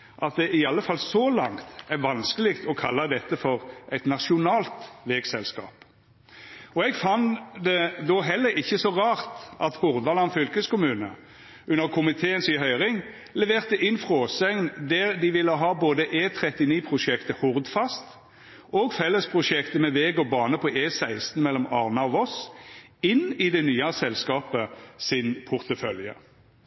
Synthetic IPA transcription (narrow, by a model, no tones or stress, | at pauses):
ʔɑt̪̚d̪ɛʔɪɑlːəfɑlsɔlɑŋt̪æʋɑnskəlɪɡt̪ʰɔkʰɑlːəd̪ɛt̪ːəfɔʁʔæɪt̪nɑʃʊnɑːlt̪ʋeːɡsɛlskɑ̰ːp | ɔɛɡfɑnd̪ɛd̪ɔɦɛlːəɾɪçːəsɔʁɑːʁt̪ʔɑt̪hʊʁd̪ʋɑlɑnfʏlkəskʊmʉːnə | ʉnːəʁkʰʊmɪt̪ʰeːənsɪɦœʏʁɪŋ | lɛʋeːʁt̪əʔɪnfʁoːsɛŋnd̪æɾd̪ɪʋɪlːəɦɑːboːd̪əʔeːt̪ʰɾɛt̪ɪniːpʰʁʊʃɛkt̪əhʊʁd̪fɑst̪ | ʔoːɡfɛlːəspʰʁʊʃɛkt̪əmɛʋeːɡɔbɑːnəpʰɔʔeːsæɪst̪n̩mɛlːɔmɑʁnɑɔʋɔs | ɪnɪd̪ɛnyːɑsɛlskɑːpəsɪnpʰʊʁt̪əfœljə̰